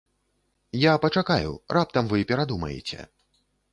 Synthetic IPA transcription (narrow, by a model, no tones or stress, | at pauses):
japɐt͡ʂakajṵrʔap̚t̪ɐmvɨpʲɛɾad̪umɐ̰jɛ̰t͡sʲɛ̰